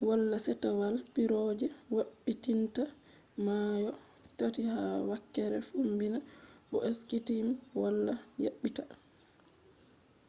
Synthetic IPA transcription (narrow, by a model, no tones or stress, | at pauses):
walːasɛtawalpiɾɔd͡ʒɛwaɓːitinta | majɔ | tatihawakːɛɾɛfumbinabɔ̰ʔeskitimwalːaja̰ɓːita